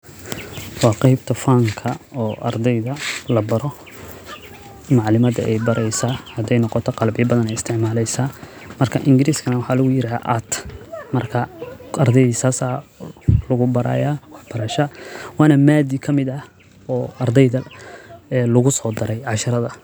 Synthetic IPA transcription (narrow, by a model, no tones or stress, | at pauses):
wɑːqɑjbt̪ʰɐfaːŋkʰɐɔːʔɐ̰rd̪ɛjðɐlɐbɐɾɔ | mɑʕlɪmɐd̪ɐ̰ʔɛjbɐɾʔɛjsahɐd̪ɛjnɔqɔt̪ʰɔqɑlbɪjɐbɐðɐnɛjɪst̪ʰɪʕmaːlɛjsaː | mɐrkʰɐʔɪŋɡɪɾiːskʰɐnɐwħɑːlʊɣʊjɪɾaa̰ʔat̪ʰmɐrkʰɐɐrd̪ɛjðisaːsa | lʊɣʊbɐɾa̰ːjaːwɑħb̥ɐɾɐʃɐwɑːnɐmaːd̪ikʰɐmɪd̪ɐ | ɔːɐrd̪ɛjðɐ | ɛlʊɣʊsɔːd̪ɐɾɛjʕɑʃɐɾɐðɐ